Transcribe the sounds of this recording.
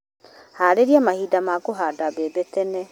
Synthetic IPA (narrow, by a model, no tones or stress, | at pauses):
haːɾeɾiamahiːdamakoɦaːdabebetɛnɛ